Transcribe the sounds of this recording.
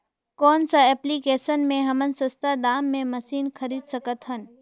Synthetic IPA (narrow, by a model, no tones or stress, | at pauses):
kɔːnsaɛːplikeːsənmẽɦɐmənsəst̪ad̪aːmːẽmɐsiːnkʰəɾiːd̪səkət̪ɦən